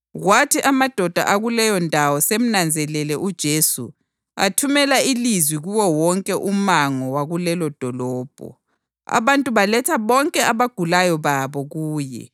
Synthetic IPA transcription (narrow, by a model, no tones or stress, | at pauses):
ɣwatʰiʔamad̥ʱɔd̥ʱa̰ʔaɣulɛjɔndʱawɔsem̩nand͡zʱɛlɛlɛʔud̥ʒ̥ʱesṵ | a̰tʰumɛlailizwiɣuwɔwɔŋkʼɛʔumaŋɔwaɣulɛlɔd̥ʱɔlɔːb̥ʱɔ̰ | a̰βantʼuβalɛtʰaβɔŋkʼɛaβaɡ̥ʱulajɔβaβɔɣuːjɛ̰